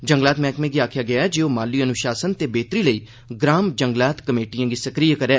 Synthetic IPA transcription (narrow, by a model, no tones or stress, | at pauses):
d͡ʒə̃ŋɡlaːt̪mɛ̃ːkmẽːɡiːaːkʰjaːɡɪaːɛd͡ʒeːoːmaːliːənʊʃaːsənt̪eːbeːt̪ɾiːləiː | ɡɾaːmd͡ʒəŋɡlaːt̪kəmeːʈijãːɡiːsəkɾijakəɾeː